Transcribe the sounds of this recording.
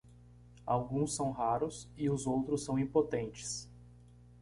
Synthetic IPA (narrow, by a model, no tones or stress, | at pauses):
awɡũsːɐ̃w̃ɦaɾʊsɪʊzowt̪ɾʊsːɐ̃w̃ĩpot̪ẽnt͡ʃɪ̥s